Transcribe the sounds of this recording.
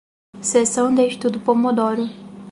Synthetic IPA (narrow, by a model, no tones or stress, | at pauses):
sesɐ̃w̃d̪eiʃt̪ud̪ʊpomod̪ɔɾʊ